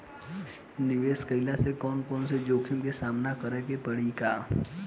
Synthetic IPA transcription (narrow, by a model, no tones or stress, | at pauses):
nɪʋeːskəɪlasekɔːnkɔːnsed͡ʒoːkʰɪmkesaːmnakəɾɛkepəɽ̤ikaː